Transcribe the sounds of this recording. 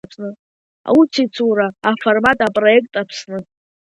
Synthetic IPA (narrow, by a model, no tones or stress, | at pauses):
t͡sʰnɨ | a̰ut͡sʰit͡sʰuɾaːformatʼapʼro̞e̞kʼtʼapʰsnɨ